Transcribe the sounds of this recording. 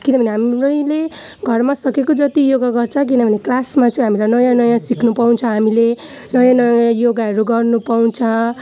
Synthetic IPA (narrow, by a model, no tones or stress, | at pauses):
kinʌbʱʌneɦamɾʌjle | ɡʱʌrmasʌkekod͡zʌt̪ijoɡaɡʌrt͡sʰʌk̬inʌbʱʌneklasmat͡sʌ̃ĩɦamilajnʌjãnʌjãsikʰnupaw̃nt͡sʰʌɦamile | nʌjãnʌj̃ãjoɡaɦʌɾuɡʌrnupaw̃t͡sʰʌ